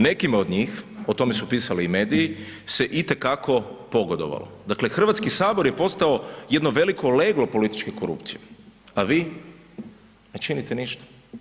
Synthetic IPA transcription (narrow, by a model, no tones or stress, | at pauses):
ne̞kimod̪ɲiːxot̪o̞me̞supiːsaliːme̞ːd̪ijiseʔit̪e̞kakʰo̞po̞ɡod̪oʋa̰lo̰d̪aklexr̩ʋat̪skisaːbo̞ɾjepo̞st̪aoje̞d̪noʋe̞liko̞leɡlo̞po̞lit̪i̥t͡ʃke̞koɾṵpt̪sijeaʋiː | net͡ʃinit̪eniʃt̪ḁ